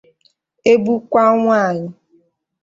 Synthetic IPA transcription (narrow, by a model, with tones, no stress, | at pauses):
e˦bu˦kʷa˦ŋʷaː˦˨ɲɪ˨